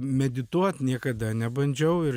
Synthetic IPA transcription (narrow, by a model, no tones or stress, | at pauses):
mʲɛd̪ʲɪt̪uɔt̪nʲiɛkɐd̪ɐnʲɛbɐnʲd͡ʒʲɛʊɪ